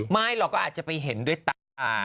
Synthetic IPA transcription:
ma˥˩jlɔ˨˩kɔː˥˩ʔaː˨˩t͡ɕa˨˩pa˧jɦe˩˦ndu˥˩əjt̪a˧aː˧˩

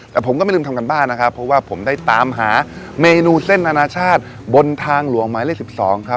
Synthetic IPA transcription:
t̪ɛː˨˩pʰo˩˦mkɔː˥˩ma˥˩lːmt̪ʰmk̬a˧nbaː˥˩ŋna˦˥kʰa˥pʰɾɔ˦˥waː˥˩pʰo˩˦mdaː˥˩jt̪aː˨˦mɦaː˩˦ | meː˧nuː˧se˥˩nːa˧naː˧t͡ɕʰaː˥˩t̪̚ | bo˧nt̪ʰaː˧ŋlu˩˦əŋmaː˨˦leː˥˩ksi˨˩p̚sɔː˩˦ŋkʰa˦˥

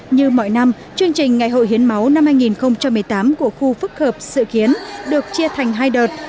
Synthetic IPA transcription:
ɲɨ˧mɔ̰˧˨jna˧m | t͡ɕɨ˧əŋt͡ɕï˨˩ŋ̟ŋːa˨˩jɦo̰˧˨jɦi˨˦ənma˨˦wna˧mhaː˧jŋi˨˩nxə˧wŋ͡mt͡ɕa˧mːɨ˨˩əjt̪aː˨˦mku˧˩əxu˧fɨ˦˥k̚həː˨˩p̚sɨ̰˧˨ki˨˦ənɗɨ˨˩ək̚t͡ɕi˧ət̪ʰa˨˩jŋ̟ɦaː˧jɗəː˨˩t̚

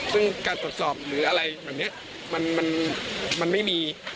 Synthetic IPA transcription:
sɯ˥˩ŋkaː˧nt̪u˨˩ə˩t̪sɔː˨˩p̚ɾɯː˩˦˥ʔa˧ɾa˧jbɛː˨˩p̚ni˦˥ɐʔ | ma˧nma˧nma˧nma˥˩jmiː˧

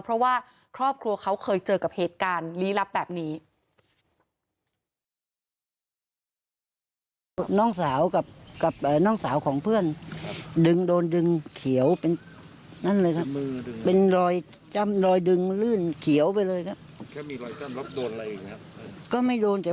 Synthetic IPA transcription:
pʰɾɔ˦˥waː˥˩ | kʰɾɔː˥˩p̚kʰɾu˧ɐkʰa˦˥wkʰɤː˧jt͡ɕɤː˨˩ka˨˩p̚heː˨˩t̪̚kaː˧nliː˦˥la˦˥p̚bɛː˨˩p̚niː˦˥ | nɔː˥˩ŋsaː˩˦wka˨˩p̚ka˨˩p̚ʔaː˨˩nɔː˥˩ŋsaː˩˦wkʰɔː˩˦ŋpʰɯ˥˩əndɯ˧ŋdoː˧ndɯ˧ŋkʰi˩˦əwpe˧n | na˥˩nlɤː˧jkʰa˦˥ppe˧nɾɔː˧jt͡ɕa˥˩mɾɔː˧jdɯ˧ŋlɯː˥˩nkʰi˨˩˦əwpa˧jlɤː˧jkʰa˦˥p̚ | doː˧˨˩ | kɔː˥˩ma˥˩jdoː˧nt͡ɕɛ˨˩˦

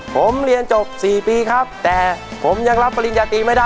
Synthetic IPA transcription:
pʰo˩˦mɾi˧ənt͡ɕo˨˩p̚siː˨˩piː˧kʰa˦˥p̚t̪ɛː˨˩pʰo˩˦mja˧ŋɾa˦˥pːa˧li˧njaː˧t̪iː˧ma˥˩jdaː˥˩

